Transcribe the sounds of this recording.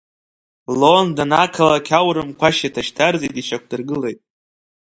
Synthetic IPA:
londanakʰalakʲʰawɾɨmkʷʰaʃatʰaʃtʰarzitʼiʃakʷʰdɨrɡɨle̞jtʼ

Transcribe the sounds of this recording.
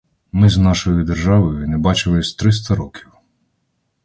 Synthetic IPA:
mɪznɑʃɔjʊd̪erʒɑʋɔjʊnɛbɑt͡ʃɪlˠɪsʲt̪ɾɪs̬t̪ɐɾɔkʰʲiw

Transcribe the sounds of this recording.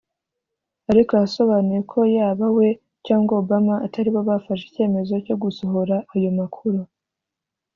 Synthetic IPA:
aɾikojaso̞βaːnujekʰo̞jaːβawe̞ | caːŋɡwaːbamaːtʰaɾiβoβafaʃe̥ce̞ːme̞zo̞co̞ɡuso̞ɦo̞ɾaːjo̞makʰuɾu

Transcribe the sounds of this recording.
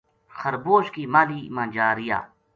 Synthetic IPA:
xəɾboːʃkiːmaːliːmãːd͡ʒaːɾija̰ː

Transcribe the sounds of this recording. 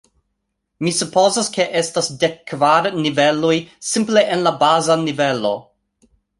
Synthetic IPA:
misupo̞zaske̞ʔe̞stasde̞kʰːvaɾnive̞lujsimple̞ʔenlabazanive̞lo̞̰

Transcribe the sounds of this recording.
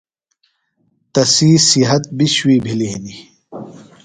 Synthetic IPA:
t̪ɐsiːsiɦɐt̪̚biɕwiːbʱilini

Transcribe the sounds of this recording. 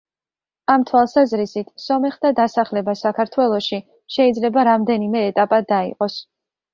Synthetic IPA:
amt̪ʰwalˠsazɾisit̪ʰsɔmɛχd̪ad̪asaχlɛbasakʰaɾt̪ʰwɛlˠɔʃi | ʃɛid̪zlɛbaɾamd̪ɛnimɛːt̪ʼapʼad̪aḭqʼɔs

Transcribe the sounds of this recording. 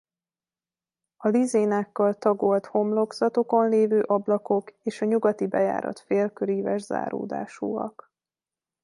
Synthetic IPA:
ɒlizeːnaːkːɒlt̪ɒɡo̞lt̪ho̞mlo̞ɡz̥ɒt̪o̞ko̞nleːvøːʔɒblɒko̞keːʃɒɲuɡɒt̪ibɛja̰ːɾɒ̰t̪feːlkøɾiːvɛʒza̰ːɾo̰ːd̪a̰ːʃuːɒ̰k

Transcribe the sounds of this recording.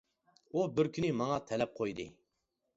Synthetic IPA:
ubɪɾkʲʰynɪmɑŋɑt̪ʰɛlɛp̚qʰojd̪ɨ̰

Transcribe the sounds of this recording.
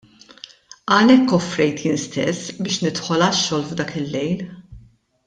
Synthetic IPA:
ɐlɛkːɔfɾɛjt̪jɪnst̪ɛsːbɪːʃnɪt̪ħɔlɐʃːɔːlvd̪ɐːkɪlːɛjl

